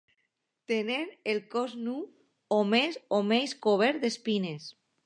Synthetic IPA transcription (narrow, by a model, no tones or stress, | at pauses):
t̪enemelkɔznu | omezomejskoβ̞ɛɾd̪espines